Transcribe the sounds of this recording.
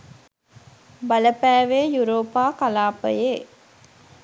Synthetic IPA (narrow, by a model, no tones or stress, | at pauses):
bɐləpæːʋeːjuɾoːpaːkalaːpə̰jeː